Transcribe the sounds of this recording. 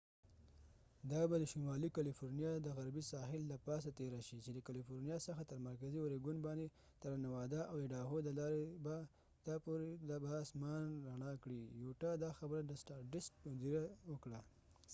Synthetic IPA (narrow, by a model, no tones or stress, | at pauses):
d̪ɑbad̪əʃʊmɑlikalifoɾnijɑd̪əɣaɾbisɑɦɪlːapɑs̬at̪eɾaʃit͡ʃed̪əkalifoɾnijɑsəxat̪əɾmaɾkaziwoɾeɡʊnbɑnd̪e | t̪aɾanawɑd̪aʔawd̪əɖɑɣod̪əlɑɾeba | d̪̥ɑpoɾelabaːsmɑnɾaɳɑkɽijoʈɑd̪ɑxabəɾad̪əsʈɑʈɪsk̚ʊziɾawəkɽa